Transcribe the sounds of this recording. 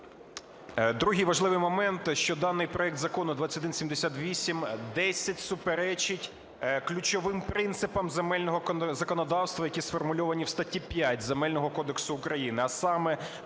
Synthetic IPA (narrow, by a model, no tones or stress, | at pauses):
d̪ɾuɦijʋɐʒlˠɪʋɪjmɔmɛnt̪ʃt͡ʃɔd̪ɑnːɪjpɾɔɛkt̪zɐkɔnʊd̪ʋɑt͡sʲsʲɐtɐd̪ɪnsʲimd̪esʲat̪ʋʲisʲimd̪ɛsʲɐtʲsʊpeɾɛt͡ʃɪtʲ | klʲʊt͡ʃɔʋɪmpɾɪnt̪sɪpɐmzemɛlʲnɔɦɔzɐkɔnɔd̪ɑwst̪ʋɐjɐkʲisfɔrmʊlʲɔʋɐnʲiwst̪ɐtʲːipʲjatʲzemɛlʲnɔɦɔkɔd̪eksʊːkɾɐjinɪɐsɑmɛ